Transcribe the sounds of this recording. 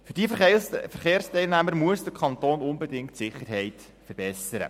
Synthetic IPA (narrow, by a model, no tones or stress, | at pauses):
fyɾdiəffəɾχeːrstɛɪlnæməɾmuəsdəkʰχɑnt̪oːnʊnbɛdɪŋktsɪχːəɾɦɛjt | fəɾbɛsəɾə̰